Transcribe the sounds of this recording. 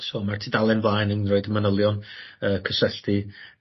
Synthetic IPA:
soːmartʰiːdalˠɛnvlˠaːjnənrɔɨdəmanəlˠjɔnəːkʰəsəɬti

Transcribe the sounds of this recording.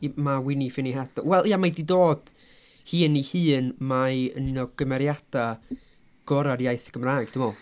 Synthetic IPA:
mawɪnifɪniɦɛd̥ɔ̰wɛlˠiamajdidoːd̥ | hɨːnihɨːnmaəninɔɡ̥əmɛɾjad̥a | ɡ̥ɔɾadjajθɡ̥əmraːjɡ̥̚dʊmɔlˠ

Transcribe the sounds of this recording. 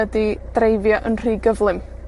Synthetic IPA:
ədid̥rejvjɔʔənr̥iːɡəvlˠɪm

